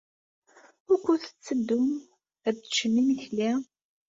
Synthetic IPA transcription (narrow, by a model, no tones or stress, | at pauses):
ʊɾkʷːʊθə̥t͡sːəd̪ːʊm | ædʃənːimiθlæ